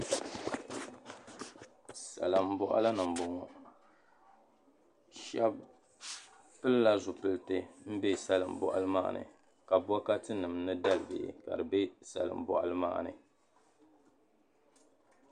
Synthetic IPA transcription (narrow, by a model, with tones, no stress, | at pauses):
sa̰˨lɨ˨m˦bɔ˦ʔa̰˦la˦nɨ˨m˨bɔ˨ŋɔ˨ | ʃɛ˦b | pɨ˦lla˦zʊ˨pɨ˦ltɨ˦m̩˦be˦sa˦lɨ˨m̩˨bɔ̰˨ʔa̰˦lɨ˦ma̰ː˦ʔnʔɨ̰˨ | ka˨bɔ˦ka˦tɨ˦nɨ˨mnɨ˦da˦lɨ˦˨bɪ̰˨ka̰˨dɨ˨bɛ˦sa̰˨lɨ̰˨m˨bɔ˨ʔa̰˦lɨ˦ma̰ː˦ʔnɨ̰˨